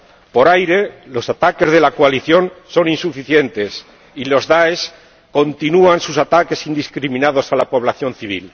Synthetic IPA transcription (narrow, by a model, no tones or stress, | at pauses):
po̞ɾajɾe̞lo̞sat̪ake̞zðe̞lakoaliθjo̞nso̞ninsufiθje̞nt̪e̞s | ilo̞zðaes | ko̞nt̪inuansusat̪ake̞sind̪iskɾimĩnað̞o̞salapo̞β̞laθjo̞nθiβ̞ḭl